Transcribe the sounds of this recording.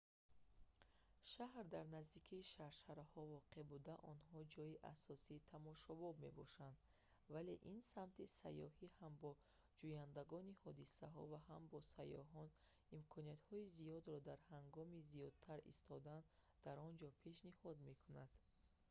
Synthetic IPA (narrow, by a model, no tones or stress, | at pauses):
ʃahɾd̪aɾnazd̪ikʰiːʃaɾʃaɾahɔvɔqʰebud̪aʔɔnɦɔd͡ʒɔiʔasɔsiːt̪ʰamɔʃɔbɔbme̞̰bɔʃand̪ | vale̞ʔinsamt̪ʰisa̰jɔhihambɔ | d͡ʒujand̪aɡɔnihɔd̪isaɦɔ̰vaɦambɔsajɔ̰ɦɔn | imkʰɔnijat̪hɔizijɔd̪ɾɔd̪aɾhaŋɡɔmizijɔd̪̚t̪ʰaɾḭst̪ʰɔd̪an | d̪̥aɾɔnd͡ʒɔpʰe̞ʃnihɔd̪me̞kʰunad̪̥